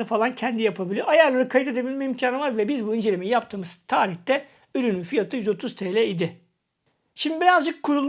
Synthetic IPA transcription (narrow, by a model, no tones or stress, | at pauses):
ɯfalˠancʰɛnd̪ijapʰabilʲiʔajaɾlˠaɾɯkʰajit̪ʰe̞d̪ebilʲmɛimcʰaːnɯvaɾvɛbizbuynd͡ʒe̞lʲiminjapt̪ʰɯːmɯz̥t̪ʰaːɾiht̪ɛ | yɾynynfijat̪ʰɯjyzo̞t̪ʰuz̥t̪ʰeːlʲɛid̪ɪ | ʃimd̪ibiɾazd͡ʒɯkʰːuɾulˠ